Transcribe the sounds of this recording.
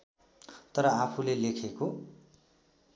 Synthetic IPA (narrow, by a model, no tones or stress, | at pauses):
t̪ʌɾʌapʰulelekʰeko